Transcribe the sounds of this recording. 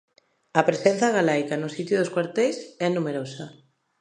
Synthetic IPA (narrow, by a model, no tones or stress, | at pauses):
ɐpɾesenθaɣalajkanʊsit̪jʊðʊskwaɾt̪ejsɛnumeɾosa